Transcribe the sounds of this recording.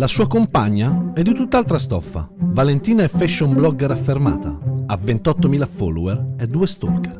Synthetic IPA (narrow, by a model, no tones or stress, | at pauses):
lasuːakompaɲːaɛd̪ːit̪ut̪ːalt̪ɾast̪ɔfːa̰valent̪iːnaɛfːɛʃːoumblɔɡɛɾafːerma̰ːt̪a̰ːvːent̪ɔt̪ːomiːlafɔ̰lːuɛrɛd̪ːuːest̪ɔ̰rkɛr